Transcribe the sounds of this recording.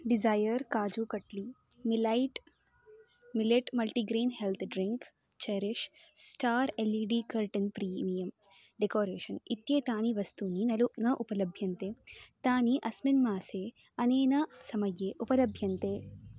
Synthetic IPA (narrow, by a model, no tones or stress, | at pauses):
ɖizaːjɐɾkaːd͡ʒuːkɐʈliː | milaiʈ | mileʈmɐlʈiːɡɾeːnɦelt̪ʰɖɾɪŋk | t͡ʃɐɾɪʃsʈaːɾeliːɖiːkɐɾʈɐnpɾiːmijɐm | ɖekoːɾeːʃɐnit̪jeːt̪ãːniʋɐst̪uːninɐlunɐʔupɐlɐbʱjɐnt̪eːt̪aːniʔɐsminmaːse | ɐneːnɐsɐmɐjeːʔupɐlɐbʱjɐnt̪eː